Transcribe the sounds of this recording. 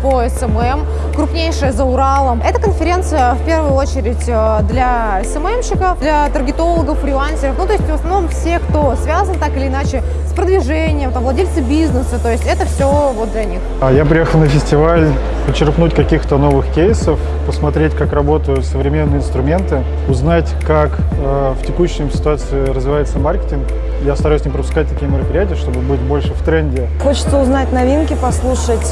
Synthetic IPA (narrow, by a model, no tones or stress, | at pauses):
poɛsɛmɛm | kɾʊpnʲejʂɨjəzəʊɾalˠəmɛt̪əkənfʲɪɾʲe̞nt̪sɨjəfpʲe̞rvʊjʊo̞t͡ɕɪɾʲɪtʲəd̪lʲa | ɛsɛmɛmɕɪkəfd̪lʲɐt̪ərɡʲɪt̪o̞lˠəɡəfɾʲɪlˠanʲsʲɪɾəfnut̪oɪsʲtʲvəsnɐvno̞mfsʲekt̪o̞svʲazənt̪akɪlʲɪːnat͡ɕɪ | spɾəd̪vʲɪʐɛnʲɪjəmt̪amvlˠɐdʲelʲt̪sɨbʲiznɨsət̪o̞jɪsʲtʲɛt̪əfsʲovot̪̚d̪lʲɐnʲixjapɾʲɪjexəlˠnəfʲɪsʲtʲɪvalʲ | pət͡ɕːɪrknutʲkɐkʲixt̪əno̞vɨxkʲejsəf | pəsmɐt̪ɾʲetʲkakrɐbo̞t̪əjʊt̪səvɾʲɪmʲenːɨəɪnst̪ɾʊmʲe̞nt̪ɨ | ʊznatʲkak | ə | ftʲɪkuɕːɪmsʲɪ̥t̪ʊat̪sɨɪɾəzvʲɪvajɪt̪səmarkʲɪ̥tʲɪnk | jast̪ɐɾaʉsʲnʲimpɾəpʊskat̚ʲt̪ɐkʲijəmʲɪɾəpɾʲɪjætʲɪjəʂt̪obɨbɨt̚ʲbo̞lʲʂɨft̪ɾɛnʲdʲɪ | xo̞t͡ɕɪ̥t̪səʊznatʲnɐvʲinkʲɪpɐslˠuʂətʲ